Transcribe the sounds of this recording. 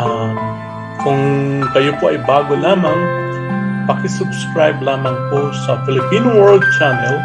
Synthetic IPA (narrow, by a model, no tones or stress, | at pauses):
ʔam | kʰʊŋkɐjopoʔɐjbaːɡolaːmɐŋ | pɐkɪsʊbskɹajblaːmɐŋposɐfɪlɪpinowɛɹld̪̚t͡ʃanɛl